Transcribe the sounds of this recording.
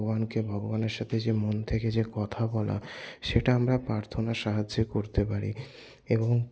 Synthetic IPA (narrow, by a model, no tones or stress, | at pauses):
ɡobankebʱɔɡobaneɾʃat̪ʰed͡ʑemont̪ʰeked͡ʑekɔt̪ʰabɔla̰ʃeʈaamɾapɾaɾt̪ʰonaʃaɦad͡ʑokoɾt̪epaɾḭ | eboŋ